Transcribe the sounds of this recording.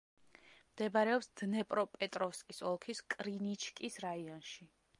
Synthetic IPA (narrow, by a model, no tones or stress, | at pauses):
md̪̥ɛbaɾɛɔpsd̪nɛpʼɾɔpʼɛt̪ʼɾɔfskʼisɔlˠkʰiskʼɾinit͡ʃʰkʼisɾaiɔnʃi